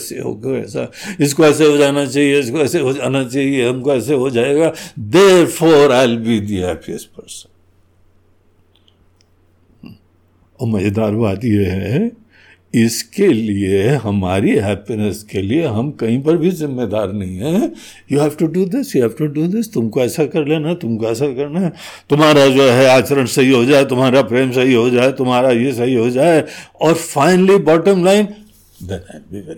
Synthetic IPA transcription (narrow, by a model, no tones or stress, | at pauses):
sḛɦo̰ɡeɛ̰ːsa̰ | ɪskoɛːs̬eɦod͡ʒaːnat͡ʃaːɦieɪskoɛːseɦod͡ʒaːnat͡ʃaːɦieɦɐmkoɛːseɦod͡ʒaːeɡad̪eːɾfɔːɾaɪlbʱid̪iɦɛːpiəspɐɾsə̥n | ɔːɾmɐd͡ʒd̪aːɾbaːt̪jeɦɛ | ɪskelieɦɐmaːɾiɦɛːpinɛskelieɦɐmkɐɦĩpɐɾbʱizɪmːed̪aːɾnɐɦĩɦɛː | juɦɛːfʈuɖud̪ɪsjuɦɛːfʈuɖuːd̪ɪst̪ʊmkoɛːsakɐɾleːnaɦt̪ʊmkoɛːs̬akɐɾnaɦɛ | t̪ʊmɦaːɾad͡ʒoːɦɛaːt͡ʃəɾənsɐɦiɦod͡ʒaːet̪ʊmɦaːɾapɾeːmsɐɦiɦod͡ʒaːet̪ʊmɦaːɾajesɐɦiɦod͡ʒaːeɔːɾfaɪnəlibɔːʈə̃mlaɪ̃n | d̪ɛ̃naɪlbiʋɛ